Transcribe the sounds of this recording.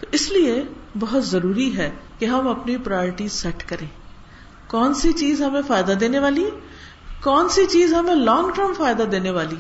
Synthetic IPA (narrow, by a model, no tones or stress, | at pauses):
ɪsliebɐɦʊt̪zɐɾuːɾiɦɛːkeɦɐmɐpnipɾajɔːɾɪʈisɛʈkɐɾẽː | kɔːnsit͡ʃiːzɦɐmẽfaːjd̪ad̪eːneʋaːli | kɔːnsit͡ʃiːzɦɐmẽlɔ̃ːŋɡʈəɾmfaːjd̪ad̪eːneʋaːli